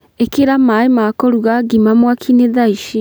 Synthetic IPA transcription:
ekeɾamaemakɔɾuɣaɡimamwakʰineðaiʃi

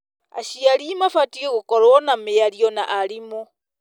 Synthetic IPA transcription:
a̰ʃiaɾimafatiɣeɣokɔɾwɔnamejaɾiɔna̰ʔaɾimo

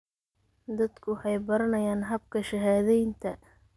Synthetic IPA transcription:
d̪ɐd̪kʰʊħɑjbɐɾɐnɐjaːnɦɐb̚kʰɐʃɐɦaːðɛjnt̪ʰɐ

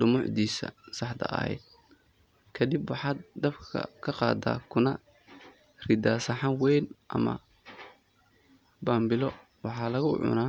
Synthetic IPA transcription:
ɖʊmʊʕd̪iːsɐ̰sɑħd̪ɐ̰ʔɐ̰hɛ̰jd̪̚ | kʰɐd̪ɪbwɑħɑːd̪ɐbkʰɐ̰kʰɐqɑ̰ːd̪a̰ːkʰʊnɐ | rɪd̪aːsɐħɑwɛjnʔɐ̰mɐ̰ | baːmbɪlɔ | wɑħɑːlɐɣʊʕʊ̰naː

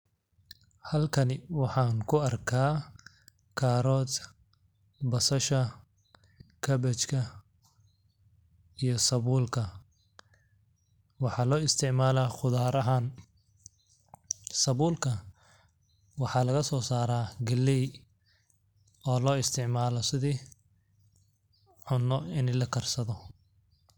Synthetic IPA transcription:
hɐlkʰɐnɪwɑħɑːŋkʰʊɐrkʰaː | kʰaːɾɔːd̪ | bɐsɐʃɐ | kʰɐbɛt͡ʃkʰɐ | ijɞsɐβuːlkʰɐ | wɑħɑːlɔːɪst̪ʰɪʕmaːlaːχʊðaːɾɐɦaːn | sɐβuːlkʰɐ | wɑħɑːlɐɣɐsɔːsaːɾaːɡɐlːɛj | ɔːlɔːɪst̪ʰɪʕmaːlɔsɪðiː | ʕʊnːɔɪnɛlɐkʰɐrsɐðɔ

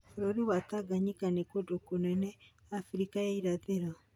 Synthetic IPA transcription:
oɾoɾiβataɡaɲikanekodokonɛnɛ | afɾikajaiɾaðeɾa

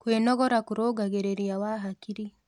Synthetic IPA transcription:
kweːnɔɣɔɾakuɾoːɡaɣeɾeɾiawaɦakiɾi

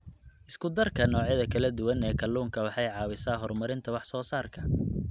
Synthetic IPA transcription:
ʔɪskʰʊd̪ɐrkʰɐnɔːʕjɐðɐkʰɐlɐd̪ʊwɐnɛːkʰɐluːŋkʰɐwɑħɑjʕɑːwɪsaːɦɔrmɐɾɪnt̪ʰɐwɑħsɔːsaːrkʰɐ

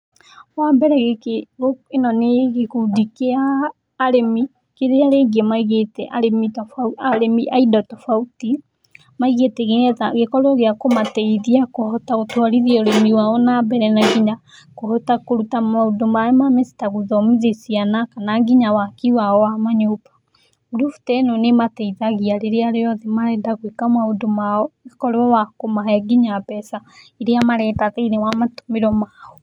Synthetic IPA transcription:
wambɛɾɛɣekeɣoenɔneɣekoudikeaː | ɾemi | keɾeaɾeːɡɛmaiɣetɛʔaɾemitɔfaaɾemiʔaidɔtɔfauti | maiɣetɛɣeɛðaɣekɔɾeɔɣeakomatɛiðiakohotaotwaɾiðiɔɾemiwaɔnambɛɾɛnaɡiɲa | kohɔtakoɾutamaodomaɛmamesi̥taɣoðɔmiðesianakanaŋɡiɲawakiwaɔwamaɲopḁ | ɡuɾuftɛnonematɛiðaɣiaɾeɾeaɾeɔðɛmaɾɛːndaɣwekamaodomaɔɣekɔɾwɔwakomaɦɛɡiɲapɛsaeɾeamaɾɛdaðɛinɛwamato̥meɾɔmaɔ

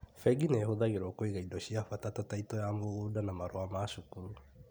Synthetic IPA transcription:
fɛɡinehoðaɣeɾokoiɣaidoɕiafatatataitɔjamoɣuːdanamaɾoamaʃokuɾu

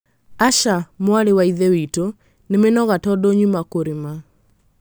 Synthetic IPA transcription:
aʃamwaɾewaiðewito | nemenɔɣatɔdɔɲumakoɾima

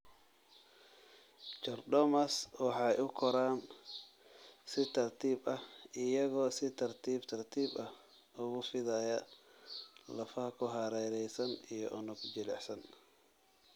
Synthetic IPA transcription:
t͡ʃɔrdɔmɐswɑħɑjʊkʰɔɾaːn | sɪt̪ʰɐrt̪ʰiːbɐhɪjɐɣɔːsɪt̪ʰɐrt̪ʰiːbt̪ʰɐrt̪ʰiːbɐh | ʊɣʊfɪðɐjɐ | lɐfɐhɐkʰʊɦɑɾɛɾɛjsɐnijɔʔʊnʊɡd͡ʒɪlɛħsɐn

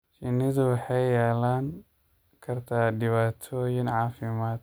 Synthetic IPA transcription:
t͡ʃɪnɪðʊwɑħɑjjɛːlaːŋ | kʰɐrt̪ʰaːɖɪβaːt̪ʰɔːjɪnʕɑːfɪmaːd̪

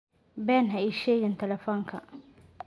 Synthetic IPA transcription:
bɛnɦaiʃeːjɪnt̪ʰɛlɛfɔŋkʰa

